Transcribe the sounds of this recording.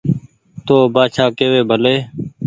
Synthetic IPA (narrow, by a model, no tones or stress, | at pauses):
t̪oːbaːʃʰaːkeːʋeːbʱəleː